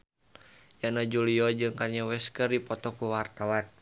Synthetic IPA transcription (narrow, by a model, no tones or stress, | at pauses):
janad͡ʒuliɔd͡ʒɨŋkarɲawɛskərdipɔt̪ɔkuwart̪awan